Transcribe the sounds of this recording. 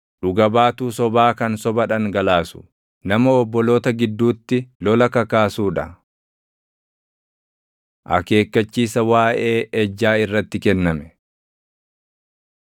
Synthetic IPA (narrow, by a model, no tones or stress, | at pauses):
ᶑʊɡɐbaːt̪uːsɔbaːkɐnsɔbɐᶑɐŋɡɐlaːsʊ̥ | nɐmɐɔbːɔloːt̪ɐɡɪd̪ːuːt̪ːɪlɔlɐkɐkaːsuːᶑɐ | ʔɐ̰ke̞ːkːɐt͡ʃːiːsɐwaːʔe̞ːʔɛd͡ʒːaːɪrːɐt̪ːɪkɛnːɐmɛ̥